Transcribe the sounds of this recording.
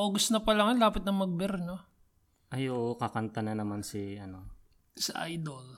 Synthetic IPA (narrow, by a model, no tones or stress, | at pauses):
ʔoɡʊsnɐpɐlaŋɐnlaːpɪt̪̚nɐŋmɐɡ̚bɛɾno | ʔɐjoʔkɐkɐnt̪ɐnɐnɐmansiʔɐno̞ | sɐʔa̰jd̪ol